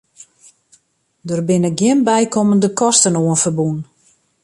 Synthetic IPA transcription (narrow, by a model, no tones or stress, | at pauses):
dərbɪnəɡjɪnbɛjkʰoməndəkʰɔstənoənfərbun